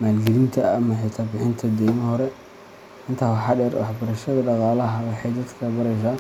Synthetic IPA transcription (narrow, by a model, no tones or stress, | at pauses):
maːlɡɛlint̪ʰɐːmɐħɪt̪ʰaːbɪħɪnt̪ʰɐd̪ɛjmɐhɔɾɛ | ʔɪnt̪ʰaːwɑħɑːɖɛːrwɑ̰ħbɐɾɐʃɐðɐɖɑqɑːlɐɦɐwɑħɑjd̪ɐd̪kʰɐbɐɾɛjs̬aː